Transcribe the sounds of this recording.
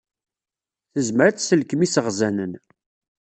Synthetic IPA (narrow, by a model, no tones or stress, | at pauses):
θəzməɾæt͡sːsəlkəmisəʁzænən